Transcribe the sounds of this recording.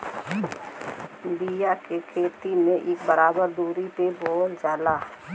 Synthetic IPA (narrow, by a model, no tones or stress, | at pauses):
bijakekʰeːt̪imẽʔeːkbəɾaːbəɾd̪uːɾipeboːld͡ʒaːlaː